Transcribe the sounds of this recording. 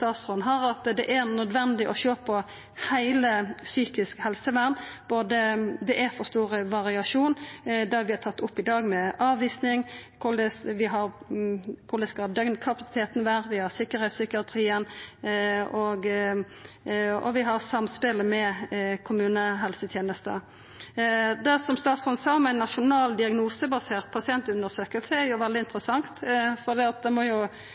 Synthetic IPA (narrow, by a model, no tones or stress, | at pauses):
st̪ɑːt̪sʁɔnɦɑɾɑt̪d̪ɛʔæɾnœd̪ʋɛnd̪ɪʔɔʃøːpʰɔ | hæɪləsyːkɪskhɛlsəʋæʁnb̥oːd̪əd̪ɛʔæɾfɔɾst̪uːʁəʋɑʁɪɑʂuːnd̪ɑʋɪɑt̪ʰɑt̪ːʊpːɪd̪ɑːɡmɛɑːʋʋiːsnɪŋkʰʊd̪ɛʋɪɦɑɾ | kʰʊd̪ɛskɑd̪œŋnkʰɑpɑsɪ̥t̪ʰeːt̪n̩ʋæːʁʋɪhɑʁsɪkːəɾhɛt̪sʏkɪɑt̪ʰɾiːən | ɔɡ | ɔ̰ʋɪɦɑʁsɑmspɪləmɛkʰʊmʉːnəɦɛlsət̪ʰjeːnəst̪ə̰ | d̪æsɔmst̪ɑːt̪sɔnsɑːɔmæɪnːɑʃʊnɑːld̪ɪɑɡnuːsəbɑseːʁt̪̚pʰɑsɪɛnt̪ʉnəʁsøːkəlsəɛɾjʊʋɛld̪ɪɪnt̪ɾəsɑŋt̪fɔd̪iːɑt̪̚d̪ɛmɔjʊ